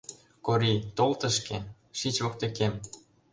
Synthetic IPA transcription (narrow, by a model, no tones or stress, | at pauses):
koɾit̪olt̪ə̆ʃke | ʃit͡ɕβok̚t̪ĕkem